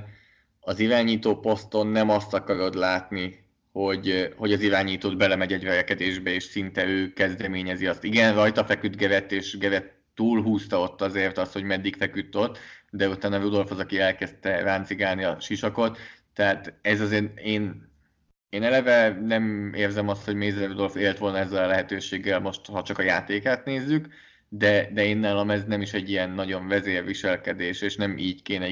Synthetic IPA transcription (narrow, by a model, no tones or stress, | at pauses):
ɒziɾaːɲiːt̪oːpo̞st̪o̞nːɛmɒst̪ɒkɒɾo̞d̪laːt̪ni | ho̞ɟho̞ɟɒziɾaːɲiːt̪oːd̪bɛlɛmɛɟɛɟvɛvɛkɛd̪eːʒbɛeːʃsint̪ɛøːkɛzd̪ɛmeːɲɛziɒst̪iɡɛnrɒjt̪ɒfɛkyd̪ɡɛvɛt̪ːeːʃɡɛvɛt̪ːuːlɦuːst̪ɒot̪ːɒzeːrt̪ɒst̪ho̞ɟmɛd̪ːikfɛkyt̪ːo̞t̪ːd̪ɛut̪aːnɒrud̪o̞lfhozɒkiɛlkɛst̪ɛraːnt̪siɡaːlniɒʃiʃɒko̞t̪ː | ɛɦaːt̪ɛzɒzeːreːn | eːnɛlɛvɛnɛmeːrzɛmɒst̪ho̞ɟmeːzrɛrud̪o̞lfeːlt̪ʋo̞lnɒɛzːɛlɒlɛɦɛt̪øːʃeːɡːɛlmo̞ʃt̪hɒt͡ʃɒkɒjaːt̪eːkaːt̪neːzːyk | d̪ɛd̪ɛeːnːaːlɒmɛznɛmiʃɛɟːijɛnːɒɟo̞ɱvɛzeːrvʋiʃɛlkɛd̪eːʃeːʃnɛmʔiːɟkeːnɛ